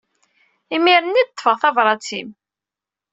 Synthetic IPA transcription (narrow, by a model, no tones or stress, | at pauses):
imiɾənːid̪ət̪ˤːfəʁθɑvɾˤɑt͡sḭm